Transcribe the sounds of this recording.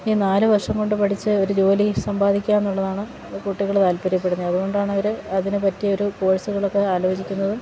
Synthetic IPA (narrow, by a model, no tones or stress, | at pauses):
iːnaːlɨʋɐrʂɐŋko̞ɳɖɨpɐʈʰit͡ɕːɨo̞ɾud͡ʑo̞ːlisɐmbaːd̪ikʲːaːmenːuɭːɐðaːɳɨ | kuʈːiɣɐɭt̪aːlpɐɾjɐp̬ːe̞ɽunːiɐðuɣo̞ɳɖaːɳɐʋɐɾɨɐðinɨpɐtːijɐo̞ɾupo̞ːɻɐsuɣɐɭo̞kːe̞aːlo̞ːd͡ʑikʲːunːɐðɨ